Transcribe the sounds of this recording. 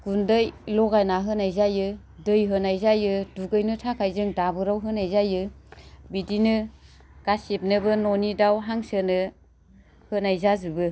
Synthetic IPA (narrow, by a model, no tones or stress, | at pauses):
ɡ̥undɯjlɔɡajnaɦɯnajzajɯ | dɯjɦɯnajzajɯduɡɯjnɯtʰakʰajzɯŋdabɯɾawɦɯnajzajɯbidinɯ | ɡ̥asep̚nɯbɯnɔnidawɦaŋsɯnɯ | hɯnajzazɯbɯ